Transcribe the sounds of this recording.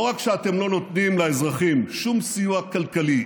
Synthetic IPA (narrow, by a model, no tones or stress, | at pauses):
ʁakʃeat̪e̞mlo̞no̞t̪nimlaezʁaχimʃumsijuakalkali